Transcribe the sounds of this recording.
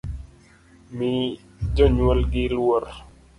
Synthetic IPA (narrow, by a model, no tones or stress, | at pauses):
mɪ | d͡ʒɔɲwɔlɡɪlwor